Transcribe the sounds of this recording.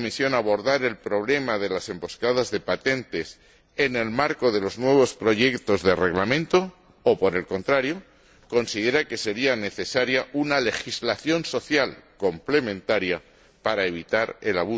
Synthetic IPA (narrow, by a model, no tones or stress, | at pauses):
misjo̞naβ̞o̞ɾðaɾe̞lpɾo̞β̞le̞maðe̞lase̞mbo̞skað̞azðe̞pat̪e̞nt̪e̞s | e̞ne̞lmaɾko̞ðelo̞znwe̞β̞o̞spɾo̞ʝe̞kt̪o̞zðe̞re̞ɣlamẽnt̪o̞ː | po̞ɾe̞lko̞nt̪ɾaɾjo̞ | ko̞nsiðe̞ɾake̞se̞ɾiane̞θe̞saɾjaʔunale̞xizlaθjo̞nso̞θjalko̞mple̞mẽnt̪aɾja | paɾaeβ̞it̪aɾelaβu